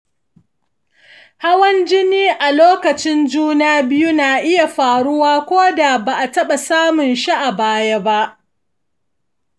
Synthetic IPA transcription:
ha˦wɐ˦nd͡ʒɪ˦niː˦ʔa˨loː˦kɐ˨t͡ʃɪ˦nd͡ʒuː˦naː˦bɪ˦ju˦naː˨ʔɪ˦ja˨ɸaː˨ɽʊ˦waː˦kʷoː˦da˨ba˨ʔa˨tɐ˦ɓa˨saː˦mʊ˨nʃi˦ʔa˨baː˦ja˦ba˦ʔ

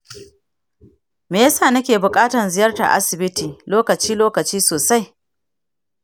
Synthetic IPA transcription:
meː˨ja˦saː˦˨nɐ˦kʲeː˨bʊ˨kʼaː˦tɐ˨nzɪ˨˦jɐ˦rta̰˨ʔa̰˦sɪ˨bɪ˦tiː˨loː˦kɐ˨t͡ʃiː˦loː˦kɐ˨t͡ʃiː˦soː˨sa˦j

